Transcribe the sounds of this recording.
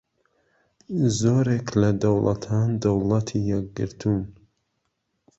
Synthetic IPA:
zoːɾeklɐd̪ɐwlʔɐ̰t̪ʰaːnd̪ɐwlˠɐt̪ʰijɛk̚ɡɨ̰ɾt̪ʰun

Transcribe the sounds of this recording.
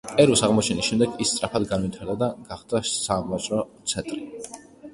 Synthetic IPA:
ɛɾusaʁmɔt͡ʃʰɛnisʃɛmd̪ɛɡist̪sʼɾapʰad̪ɡanwit̪ʰaɾd̪ad̪aɡ̥aχd̪asamvasʼɾɔt̪sʰɛnt̪ʼɾi

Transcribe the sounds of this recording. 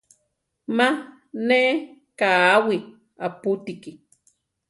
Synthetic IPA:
ma | ne | kaːwi | aput̪iki

